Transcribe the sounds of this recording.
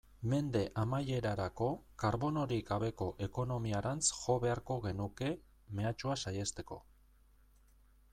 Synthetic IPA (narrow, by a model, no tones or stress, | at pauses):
me̞nd̪e̞ʔamaje̞ɾaɾako̞kaɾβo̞no̞ɾiɡaβe̞ko̞ʔe̞ko̞no̞miaɾant͡sʝo̞βe̞aɾko̞ɣe̞nuke̞ | me̞at͡ʃuasaje̞st̪e̞ko̞̰